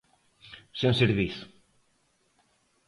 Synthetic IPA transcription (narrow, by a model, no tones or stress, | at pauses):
senseɾβiθu̥